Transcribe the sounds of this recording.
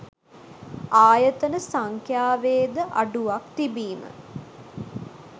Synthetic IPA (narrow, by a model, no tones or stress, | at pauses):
aːjət̪ənəsaŋkjaːʋeːd̪əʔa̰ɖuʋakt̪ibiːmə̰